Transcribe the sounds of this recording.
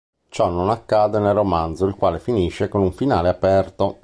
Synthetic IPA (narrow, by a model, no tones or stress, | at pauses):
t͡ʃɔnːonakːaːd̪enelromand̪zoilkwaːlefiniʃːekonuɱfinaːleapɛrt̪o